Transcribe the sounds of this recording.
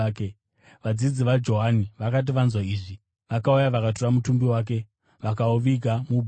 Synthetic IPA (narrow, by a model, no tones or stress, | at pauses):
ke | ʋad͡zid͡ziʋad͡ʒo̞ɦaniʋakat̬iʋanzwaiːʐi | ʋakaujaʋakatoramutumbiwaːk̬e̞ | ʋakaoʋiɡʱamubʱ